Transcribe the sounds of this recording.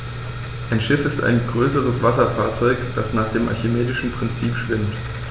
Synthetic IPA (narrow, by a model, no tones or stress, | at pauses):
ʔaɪnʃɪfɪsta̰ɪnɡʁøːsəʁ̞əsv̥asɐfaːɐt͡sɔʏkd̥asnaːχd̥eːmʔa̰çɪmeːdɪʃn̩pʁ̥ɪnt͡siːpʃv̥ɪmt